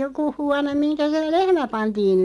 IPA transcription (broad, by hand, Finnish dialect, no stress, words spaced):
joku huɑnem minkæ se lehmæ pɑntiːn